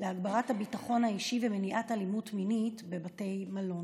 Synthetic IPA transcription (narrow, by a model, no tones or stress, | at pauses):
leaɡbaʁathabitaχo̞nhaiʃivemeniʔatalimutminitbe̞bate̞jmalo̞n